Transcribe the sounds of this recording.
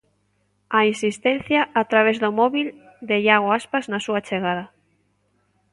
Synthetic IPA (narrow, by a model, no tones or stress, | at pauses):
ainsist̪en̟θjaʔːt̪ɾaβ̞ezðomɔβil | d̪eʎaɣoaspaznasuat͡ʃeɣaðɐ